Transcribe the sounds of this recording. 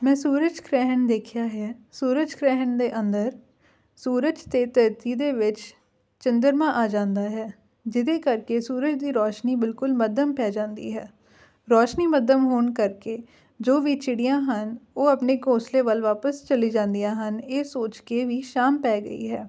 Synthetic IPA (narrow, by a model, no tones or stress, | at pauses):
mɛ̃ːsuːɾəd͡ʒkʰɾɛːɦəɳd̪eːkʰɪjaːɦɛːsuːɾəd͡ʒkʰɾɛːɦəɳd̪eːʔənd̪əɾ | suːɾəd͡ʒt̪eːt̪ət̪iːd̪eːʋɪt͡ʃ | t͡ʃənd̪əɾmãːʔaːd͡ʒãːnd̪aːɦɛː | d͡ʒɪd̪eːkəɾkeːsuːɾəd͡ʒd̪iːɾɔːʃniːbɪlkʊlməd̪əmpɛːd͡ʒãːnd̪ḭːɦɛː | ɾɔːʃniːməd̪ʱəmɦoːɳkəɾkeː | d͡ʒoːʋiːt͡ʃɪɽijãːɦənoːəpneːkõːsleːʋəlʋaːpəst͡ʃəliːd͡ʒãːnd̪ijãːɦəneːsoːt͡ʃkeːʋiːʃaːmpɛːɡə̰ḭːɦɛː